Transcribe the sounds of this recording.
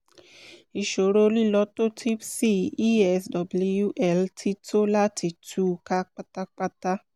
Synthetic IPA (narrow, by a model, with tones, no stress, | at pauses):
i˨ʃo˨ɾo˧li˦˨lɔ˧˦to˦tʰi˦bsi˦i˦ɛ˧sdɔ˨blu˧ju˦ʔɛ˦˨ltʰi˧˦to˦la˦ti˧˦tʰu˦ka˦k͡pa˦ta˦k͡pa˦ta˦